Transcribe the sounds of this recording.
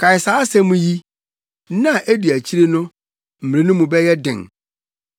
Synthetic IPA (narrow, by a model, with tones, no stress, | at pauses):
kʰa˨ɪ˨saː˨˦sɛ̃˦mũ˦ji˦ | nã˦˨ʔe˦di˨æ˨t͡ɕʰi˦ɾe˦nʊ̃˦ | m̩˨m˨ɾẽ˦nʊ̃˦mũ˨bɛ˦jɛ˦dɪ̰̃˨ŋ